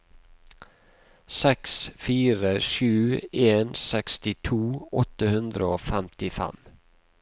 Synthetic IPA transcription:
sɛksfiːɾəʃʉːeːnsɛkst̪ɪt̪ʰuːɔt̪əhʉnd̪ɾəoːfɛmt̪ɪfɛ̰m

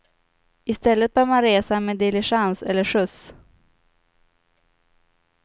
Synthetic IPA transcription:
ɪst̪ɛlːət̪̚baːmanɾeːsameːd̪ɪlɪʂansɛlːəʂɵs

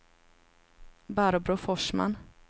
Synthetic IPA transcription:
baɾbɾʊfɔʂma̰n

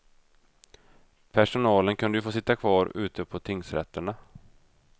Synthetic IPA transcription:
pʰæʂʊnɑːlənkʰɵnd̪əjɵfoːsɪt̪ːakʰvɑːɾʉ̟ːt̪əpʰɔt̪ʰɪŋsɾɛ̰t̪ʰːəɳa

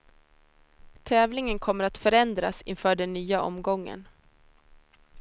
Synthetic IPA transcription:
t̪ʰɛːvlɪŋənkʰɔmːəɾat̪fœɾɛnd̪ɾasɪnfœːɖɛnːyːaʔɔ̰mɡɔŋːə̰n

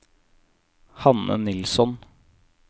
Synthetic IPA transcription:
hɑnə̰nɪlsɔn

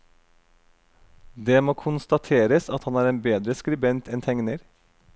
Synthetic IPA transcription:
d̪eːmoːkʰʊnst̪ɑt̪ʰeːɾəsɑt̪hɑnæːɾeːnbeːd̪ɾəskɾʉbɛnt̪ʰɛnt̪ʰɛŋnəɾ

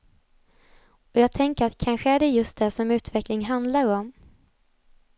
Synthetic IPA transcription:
ɔjɑːɡ̚t̪ʰɛŋkəɾat̪kʰanɧəæɖɛjɵst̪̚d̪ɛsɔmʉ̟ːt̪vɛklɪŋɦand̪laɾɔm

